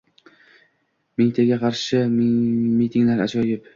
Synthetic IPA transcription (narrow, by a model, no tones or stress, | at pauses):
mɪŋt̪ʰeɡʲaqʰɑɾʃɪ | mit̪ʰɪŋlaɾa̰t͡ʃʰɒjɪp